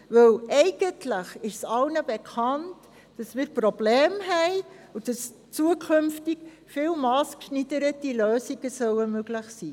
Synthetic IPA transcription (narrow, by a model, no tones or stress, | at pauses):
vœwʔɛɪɡ̥əntləχɪʃsɑlnəbekʰɑnt | d̥ɑsmɪːɾpɾobleːmɦɛɪ | ʊd̥ɑs | t͡suəkʰʏmftik | fɪːwmɑːskʃnidəɾətiløːsiɡ̥əsœwəmøɡləχsiː